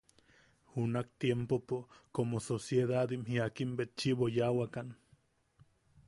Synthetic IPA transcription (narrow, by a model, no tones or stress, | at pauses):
hunakt̪jempopokomososjeðad̪imhiakimbet̪̚t͡ʃiβojawakan